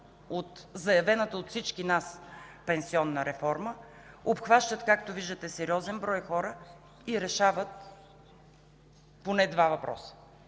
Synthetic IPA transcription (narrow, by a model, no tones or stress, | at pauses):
ot̪zɐjɐvɛnət̪əot̪fsit͡ʃk̟inaspɛnsiɔnːəɾɛfɔɾmə | opxvaʃt̪ət̪kakt̪oviʒd̪ət̪ɛsɛɾiɔzɛnbɾɔjxɔɾə | iɾɛʃavət̪̚ | ponɛd̪vavɐpɾɔ̰sə̥